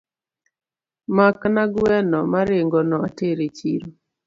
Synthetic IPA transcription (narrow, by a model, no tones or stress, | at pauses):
maknaɡwɛnɔmaɾɪŋɡɔnɔateɾet͡ʃiɾo